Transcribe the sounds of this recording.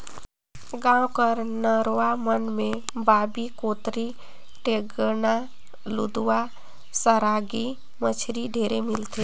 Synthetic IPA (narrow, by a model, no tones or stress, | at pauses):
ɡãːwkəɾnəɾʋamənmẽbaːbikoːt̪ɾi | ʈeɡəna | lṵd̪uwa | səɾaːɡi | mət͡ʃʰɾiɖʱeːɾemɪlt̪e